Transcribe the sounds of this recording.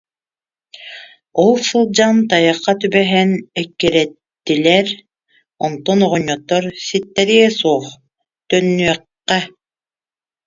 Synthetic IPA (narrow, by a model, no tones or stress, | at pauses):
ɔlˠsɯlˠd͡ʑant̪ajɯqːɑt̪ybɛɦɛnɛkːiɾɛt̪ːilɛɾ | ɔnt̪ɔnɔʁɔɲːɔt̪ːɔɾsit̪ːɛɾiɡɛsuɔːχ | t̪œnːyœqːɛ